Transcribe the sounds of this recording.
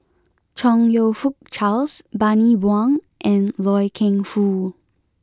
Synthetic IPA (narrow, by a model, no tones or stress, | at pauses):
t͡ʃɔ̃ŋjofuk̚t͡ʃalsbanibwɔ̃ŋ | ʔɛ̃nlɔɪkʰɪ̃ŋfu